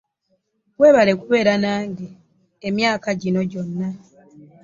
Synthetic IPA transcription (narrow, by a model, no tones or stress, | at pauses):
we̞ːβale̞kuβe̞ːɾanaːŋɡe | emjaːkaɟino̞ɟo̞nːa